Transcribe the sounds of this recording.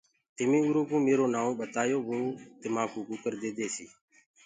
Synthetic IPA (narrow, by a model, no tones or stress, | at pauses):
t̪ɪmĩːuːɾõːkũːmeːɾoːnaːũːɓət̪aːjoːʋoːt̪ɪmãːkũːkũːkəɾd̪eːd̪eːsiː